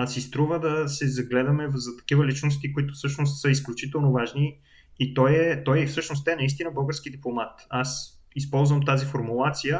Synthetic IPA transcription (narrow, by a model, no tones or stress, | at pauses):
sist̪ɾuvəd̪ɐsɛzɐɡlɛd̪ɐmɛzɐt̪ɐ̥k̟ivəlit͡ʃnost̪ikʊit̪ʊfsɤʃnos̬t̪səisklʲut͡ʃit̪ɛlˠnovaʒniː | t̪ɔjɛt̪ɔjfsɤʃnost̪ɛɛnɐist̪inəbɤlˠɡəɾsk̟id̪iplˠomat̪as | ispɔlˠzvəmt̪azifoɾmulˠat̪sijə